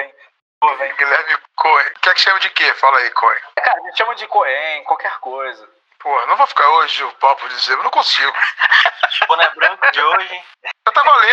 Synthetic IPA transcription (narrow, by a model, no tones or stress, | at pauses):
vẽj̃ | ovẽɡilɛɾmɪkoẽkẽɛkɪ̥ʃɐ̃mɐd͡ʒɪkefalɐikʰõ̰ḛ̃kaɾɐʒẽʃɐ̃mʊd͡ʒɪkoẽj̃kwawkɛɾkojzɐ | pohɐnɐ̃w̃vofi̥kaɾoʒʊpawpʊɾd͡ʒizeenɐ̃w̃kõsiɡʊ | ɐ̃nɛbɾɐ̃kʊd͡ʒɪoʒẽ | at̪amalĩ